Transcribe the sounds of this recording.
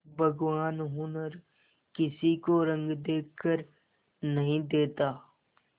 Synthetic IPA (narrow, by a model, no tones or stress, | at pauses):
bʱɐɡʋaːnɦʊnəɾ | kɪsikoɾɐ̃ŋɡd̪eːkʰːəɾ | nɐɦĩd̪eːt̪aː